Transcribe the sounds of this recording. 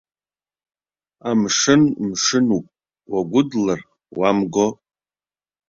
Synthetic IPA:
amʂɨnmʂɨnupʼ | waɡʷʊdlar | wamɡo

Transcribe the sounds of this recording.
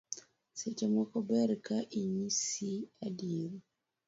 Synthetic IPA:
set͡ʃemwɔkɔbɛɾkaʔiɲisiadiɾ

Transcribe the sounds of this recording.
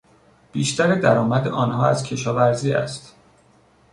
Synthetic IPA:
b̥iːʃt̪ʰæɾed̪æɾɒːmæd̪eʔɒːnhɒːæzcʰe̞ʃɒːvæɾziːæ̰st̪

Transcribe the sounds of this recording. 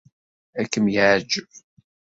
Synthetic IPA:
ækːəmjəʕd͡ʒəv

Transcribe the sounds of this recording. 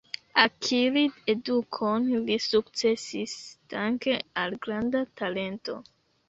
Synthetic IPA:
akʰiɾide̞dukʰo̞nlisukt͡se̞sistaŋke̞alɡɾandatale̞nto̞̰

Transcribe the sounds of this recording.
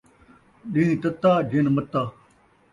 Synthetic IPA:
ɗĩːt̪ɐt̪ːaːd͡ʑinmɐt̪ːaː

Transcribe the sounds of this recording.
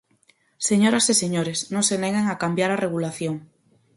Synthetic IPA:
seɲoɾaseseɲoɾesnõŋseneɣeŋakambjaɾareɣulaθjoŋ

